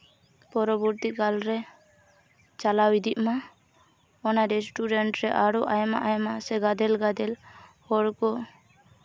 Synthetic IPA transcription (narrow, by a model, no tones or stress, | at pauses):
pɔɾɔbuɾt̪ikalɾɛ | t͡ʃalawid̪iʔma | ɔnaɾɛsʈuɖɛɳʈɾɛʔaɾɔʔajma̰ʔajmasɛɡad̪ɛlɡad̪ɛlhɔɽkɔ